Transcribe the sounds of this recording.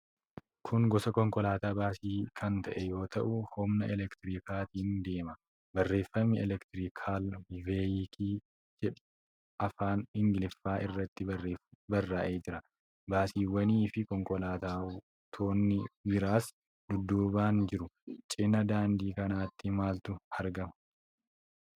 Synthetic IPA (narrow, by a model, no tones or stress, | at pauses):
kʰʊŋɡɔsɐkɔŋkɔlaːt̪aːbaːsiːkʰɐnt̪ɐʔɛjo̞ːt̪ɐʔʊhɔmnɐɛlɛkt̪ɪɾiːkaːt̪iːnd̪e̞ːmɐ | bɐrːe̞ːfːɐmːɪɛlɛkt̪ɪɾiːkʰaːlveːjɪkʰiː | d͡ʒɛᶑ | ɐfaːnɪŋɡɪlɪfːaːʔɪrːɐt̪ːɪbɐrːaːʔe̞ːd͡ʒɪɾɐ | baːsiːwɐniːfɪkɔŋkʼɔlaːt̪aː | t̪ʰo̞ːnːɪbɪɾaːs | d̪ʊd̪ːuːbaːnd͡ʒɪɾʊt͡ʃʼɪnːɐd̪aːnd̪iːkɐnaːt̪ːɪmaːlt̪ʊhɐɾɡɐmɐ̥